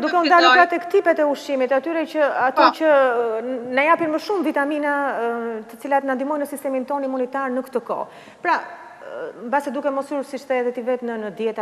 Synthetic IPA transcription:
d̪ukɛund̪aluɾpɾat̪ɛkt̪ipɛt̪ɛuʃimit̪at̪yɾɛcəat̪ɔcə | najapinməʃumvit̪aminat̪ət͡silat̪nand̪imɔjnəsist̪ɛmint̪ɔnimunit̪aɾnəkt̪əkɔ̰ | pɾa | mbasɛd̪ukɛmɔsyɾsit͡ʃt̪ɛɛðɛt̪ivɛt̪nənəd̪jɛt̪a

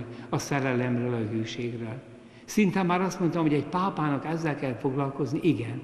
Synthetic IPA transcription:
lɒsɛɾɛlɛmrøːlɒɦyːʃeːɡrøːl | sint̪ɛmːaːɾɒst̪mo̞nt̪ɒmɦo̞ɟɛɟpaːpaːnɒkɛzːɛlkɛlfo̞ɡlɒlko̞zniʔiɡɛn

